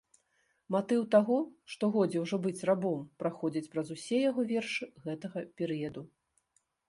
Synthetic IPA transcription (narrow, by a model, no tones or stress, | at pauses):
mat̪ɨwt̪aɣɔʂt̪ɔɣɔd͡zʲɛwʐɔbɨt͡sʲrabɔmpɾaxɔd͡zʲit͡sʲpɾɐzusʲɛjaɣɔvʲɛrʂɨɣɛt̪ɐɣɐpʲɛɾɨjɐd̪u